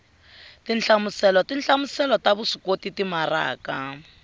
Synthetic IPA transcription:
tinɬamusɛlɔtinɬamusɛlɔtaβusi̥kotitimara̰ːka

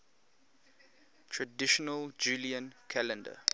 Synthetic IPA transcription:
tʰɹədɪʃɔnəld͡ʒuːliə̃nkʰælə̃ndə̰

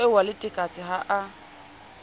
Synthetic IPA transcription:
ɪwalɪtʼɪkʼat͡sʼɪɦaʔa

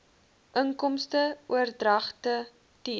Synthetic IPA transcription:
ʔəŋkɔmstəuərdrɐχtə | ti

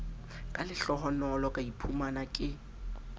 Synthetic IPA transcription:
kʼalɪɬɔɦɔnɔlɔkʼaipʰumanakʼɪ

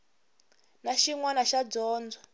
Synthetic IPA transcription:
naʃiŋwanaʃad͡zɔːnd͡zwɔ

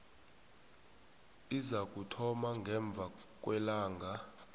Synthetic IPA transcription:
izak̬ʼutʰɔmaŋɡʱɛɱb̪vʱak̬ʼwɛlaːŋɡʱa

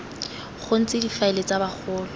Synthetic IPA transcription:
χʊn̩t͡sɪdifaɪlet͡sabaχʰʊːlɔ

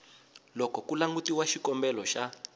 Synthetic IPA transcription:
lɔkɔkulaŋɡutiwaʃikɔmbɛlɔʃa

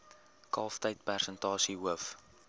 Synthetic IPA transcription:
kɑːftəjt̚pærsəntɑːsiɦuəf

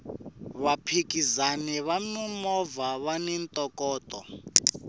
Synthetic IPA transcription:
βapʰikʼizanɛβamimɔvaβanint̪ʼɔkʼɔːtʼɔ̰

